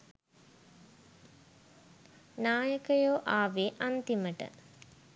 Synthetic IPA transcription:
naːjəkəjoːʔaːʋeʔant̪iməʈə̰

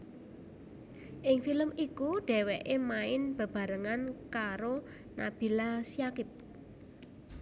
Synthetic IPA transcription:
ʔɪŋfiləmikuɖ̥ɛ̤wɛʔemaɪnb̥ə̤b̥a̤ɾəŋankaɾo | na̰b̥i̤lasiakɪp̚

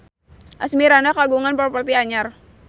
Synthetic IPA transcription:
ʔasmiɾanakaɡuŋanpɔrpərt̪iaɲar

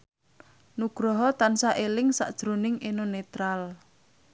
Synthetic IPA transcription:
nuɡ̥ɾɔɦɔt̪ansaʔelɪŋsa̰ʔd̥ʒ̥ɾonɪŋenonet̪ɾal

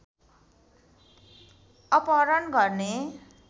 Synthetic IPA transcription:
ʌpʌɾʌnɡʌrne

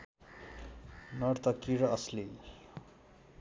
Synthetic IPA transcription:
nʌrt̪ʌkiɾʌʌsle

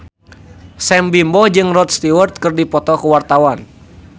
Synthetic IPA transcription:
sɛmbimbɔd͡ʒɨŋrɔt̪̚st̪iwərt̪̚kɨrdipɔt̪ɔkuwart̪awan

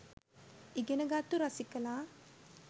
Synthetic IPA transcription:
iɡenəɡat̪ːuɾɐsikəlaː

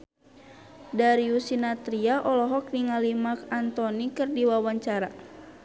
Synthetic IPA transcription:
daɾiusinat̪ɾiaʔɔlɔɦɔk̚niŋalimakant̪ɔnikɨrdiwawaɲt͡ʃaɾa

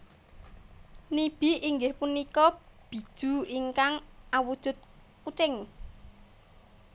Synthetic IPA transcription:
nib̥iiŋɡɪhpunikɔb̥i̤d̥ʒ̥ṳiŋkaŋawud̥ʒ̥ʊ̤t̪̚ | kut͡ʃɪŋ

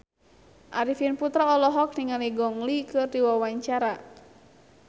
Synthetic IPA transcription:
ʔaɾifinput̪ɾaɔlɔɦɔk̚niŋaliɡɔŋlikɨrdiwawaɲt͡ʃaɾa

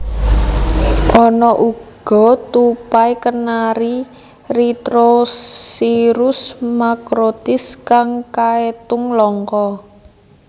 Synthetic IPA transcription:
ʔɔnɔʔuɡ̥ɔ̤t̪upajkənaɾi | rit̪ɾosiɾʊsmakɾot̪ɪskaŋkaet̪ʊŋlɔŋkɔ

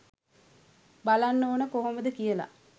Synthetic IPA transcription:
balanːoːnəkoɦoməd̪əkijəla̰

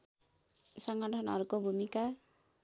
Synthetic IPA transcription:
sʌŋɡʌʈʰʌnʌɾkobʱumika

